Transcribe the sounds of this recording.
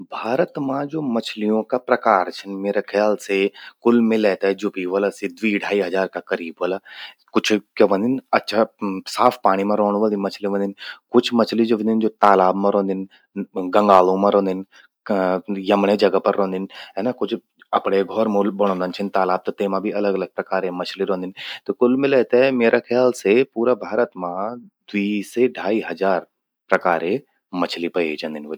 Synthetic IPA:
bʱaːɾət̪mãd͡ʒoːmɐt͡ʃʰlijõkapɾɐkaːɾt͡ʃʰənmeːɾakʰɐjaːlsekʊlmẽlɛːt̪aɛd͡ʒʊpiʋɐlasid̪ʋiːɽ̤ʱaːiɦɐzaːɾkakɐɾiːbʋəla | kʊt͡ʃʰkɐʋə̃nd̪ɪnɐtːʃʰasaːfʰpaːɽ̃imãɾoːɽ̃ʋə̃nd̪imɐt͡ʃʰliʋə̃nd̪ɪnkʊt͡ʃʰmɐt͡ʃʰlid͡ʒoʋə̃nd̪ɪnd͡ʒoːt̪aːlaːbmãɾõːnd̪ɪn | ɡɐ̃ŋɡaːlõmãɾoːnd̪ɪn | jɐmɽ̃ed͡ʒɐɡəpɐɾːõːnd̪ɪnɦɛːnakʊt͡ʃʰ | ɐpɽ̃eɡʱɔɾmulbɐɽ̃õnd̪ənt͡ʃʰɪnt̪aːlaːb̚t̪ot̪eːmãbʱiɐləɡɐləɡ̚pɾɐkaːɾemɐt͡ʃʰliɾõːnd̪ɪnt̪okʊlmɪlet̪emeːɾʔakʰɪjaːlsepuːɾabʱaːɾət̪mãd̪wiːseɖʱaːiɦɐzaːɾ | pɾɐkaːɾe | mɐt͡ʃʰlipɐid͡ʒɐ̃nd̪ɪnʋ

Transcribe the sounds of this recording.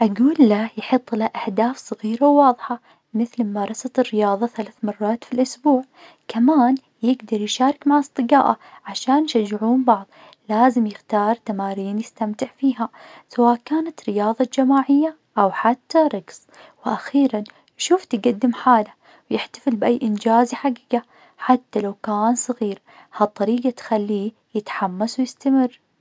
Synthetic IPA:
ʔaɡuːlːajħɨt̪ˤːlaʔahd̪aːfsˤɨɣiːɾawːɑːðˤħa | mɪθlmɑɾˤɑsɑt̪ɪrːɪjɑːðˤɑθalaθmɑrˤːɑːt̪filʔʊsbuːʕ | kamaːn | jɪɡd̪ɑɾˤjʃaːɾˤɪkmaʕɑsˤt̪ˤɨɡɑːʔa̰ʕaʃaːnjʃad͡ʒːɪʕuːnbɑʕðˤ | laːzɪmjɪxt̪ɑːɾˤt̪amaːɾiːnjɪst̪amt̪ɪʕfiːɦasawaːʔkaːnat̪ɾɪjɑːðˤɑd͡ʒamaːʕɪjːa | ʔawħat̪ʰːaɾˤɑɡs | wɪʔaxiːɾan | ʃuːft̪ɪɡad̪ːɪmħaːla | wjɪħt̪ḁfɪlbʔajːʔɪnd͡ʒaːzħaɡiːɡa | ħat̪ːalawkaːnsˤɨɣiːɾ | hɑt̪ˤːɑɾiːɡat̪xalːiː | jɪt̪ħamːaswjɪst̪amɪrː

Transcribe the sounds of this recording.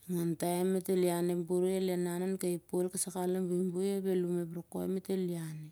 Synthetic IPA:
ŋantaemetelianembuɾielenanankaipolkasakalambimbujaβelumebɾoko̰emeteliane

